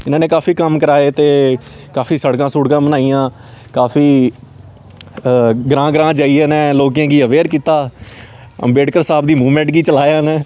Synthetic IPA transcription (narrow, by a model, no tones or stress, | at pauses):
ɪnãːneːkaːfiːkəmkəɾaːeːt̪eː | kaːfʰiːsəɽkãːsʊːɽkãːbənaːijãː | kaːfʰiː | ɡɾãːɡɾãːd͡ʒaːieːnẽːloːk̬jãːɡiːəʋeːɾkiːt̪aː | ə̰mbeːɖkəɾsaːb̚d̪iːmuːmɛ̃ːɳʈɡiːt͡ʃəlaːjaːnẽː